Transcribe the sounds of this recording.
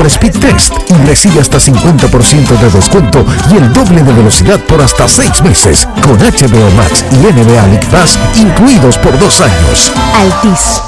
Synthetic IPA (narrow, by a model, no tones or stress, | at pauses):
pɾespit̪ːest̪ire̞siβeast̪asiŋkwe̞nt̪apo̞ɾsje̞nt̪oðe̞ðe̞skwe̞nt̪o̞ie̞ld̪o̞βle̞ðe̞βe̞lo̞siðað̚po̞ɾast̪ase̞jzme̞se̞̰s | ko̞nat͡ʃeβeoma̰ksieneβealikpasiŋkluiðo̞spo̞ɾðo̞saɲo̰salt̪is